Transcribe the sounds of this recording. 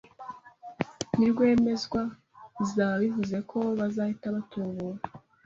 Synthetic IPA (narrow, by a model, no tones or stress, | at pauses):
niɾɡwe̞ːme̞zɡwa | zaβivuze̞kʰo̞βazahitaβatʰoβuɾa